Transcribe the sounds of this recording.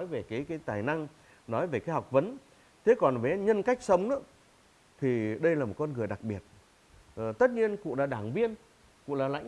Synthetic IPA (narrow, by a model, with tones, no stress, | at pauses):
ɔ˨˦jve˨˩kaː˨˦jkaː˨˦jt̪aː˨˩jna˧ŋ | nɔ˨˦jve˨˩kaː˨˦jhwk͡p̚və˨˦n | t̪ʰe˨˦kɔ˨˩nve˨˦ɲə˧nka˦˥jk̟̚sə˨˦wŋ͡mnə̰˨˦ | t̪ʰi˨˩ɗə˧jlaː˨˩mo˨˩t̚kɔ˧nŋɨ˨˩əjɗa˨˩k̚ɓi˨˩ət̚ː | t̪ə˦˥t̚ɲi˧ənkṵ˧˨laː˨˩ɗaː˧˩ŋvi˧ən | kṵ˧˨laː˨˩la̰˧˥jŋ